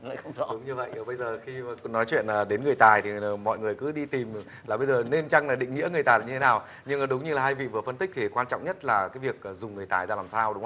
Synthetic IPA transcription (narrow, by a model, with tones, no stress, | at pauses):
la̰ː˧˨xə˧wŋ͡mzɔ˨˦ɗʊ˨˦ŋ͡mɲɨ˧və̰˧˨jʔə˨˩ɓə˧jzəː˨˩xi˧˨˩knɔ˨˦jt͡ɕwḭ˧˨ənəː˨˩ɗe˨˦nŋɨ˨˩əjt̪aː˨˩jt̪ʰi˨˩˨mɔ̰˧˨jŋɨ˨˩əjkɨ̰˨˦ɗi˧t̪i˨˩m˨˩ | laː˨˩ɓə˧jzəː˨˩ne˧nt͡ɕa˧ŋlaː˨˩ɗḭ̈˧˨ŋ̟ŋḭ˧˥ŋɨ˨˩əjt̪aː˨˩˨ɲɨ˧e˦naː˨˩w | ɲɨ˧ŋ˨˩ɗʊ˨˦ŋ͡mɲɨ˧laː˨˩ɦaː˧jvḭ˧˨vɨ˨˩əfə˧nt̪i̟˦˥t̪ʰi˨˩kwaː˧nt͡ɕɔ̰˧˨wŋ͡mɲə˦˥t̚laː˨˩kaː˨˦jvi˨˩ək̚ʔəː˨˩zʊ˨˩ŋ͡mŋɨ˨˩əjt̪aː˨˩jzaː˧laː˨˩msaː˧wɗʊ˨˦ŋ͡m